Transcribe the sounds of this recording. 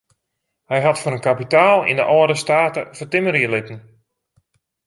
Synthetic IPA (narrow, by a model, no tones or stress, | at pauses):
hɛjɦatfonənkapitaːlˠḭndəʔɔədəstaːtəfətɪməɾiəlɪtən̩